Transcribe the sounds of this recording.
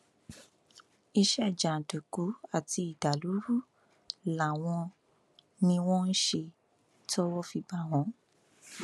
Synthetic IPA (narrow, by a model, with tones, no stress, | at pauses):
i˧ʃɛ˦˨d͡ʒa˨n̩˨tu˨ku˨˦a˦˨ti˧i˨da˨lu˨˦ɾu˦˨ | la˨w̃ɔ̃˧ | nĩ˧w̃ɔ̃˦n̩˦ʃe˧ | tɔ˦wɔ˦fi˧ba˦˨ɦɔ̃˨˦